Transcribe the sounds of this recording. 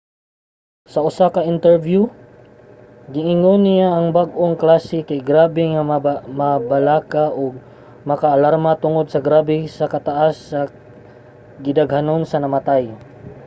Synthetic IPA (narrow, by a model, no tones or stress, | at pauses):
sɐʔʊsakɐɪnt̪ɛɹvju | ɡɪŋɪŋonɪjaʔːŋbaɡʔoŋklaːsɪkajɡɾaːbɛŋamabɐlaːkaʔoɡ̚ | mɐkaʔːlaɾmat̪ʊŋod̪̚sɐɡɾaːbɛsɐkɐt̪aʔasːa | ɡɪd̪ɐɡhanonsɐnɐmat̪aj